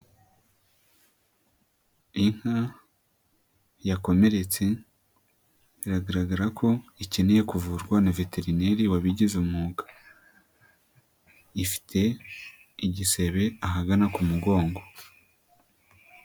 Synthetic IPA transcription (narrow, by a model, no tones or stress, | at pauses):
iŋ̥ha | jako̞me̞ɾe̞t͡se̞ | iɾaɡaɾaɡaɾakʰo̞ice̞neje̞kuvuɾɡwanave̞te̞ɾineɾiwaβiɟizumuːɡḁ | ifi̥tʰe̞ | iɟise̞βe̞aɦaɡanakumuɡo̞ːŋɡo̞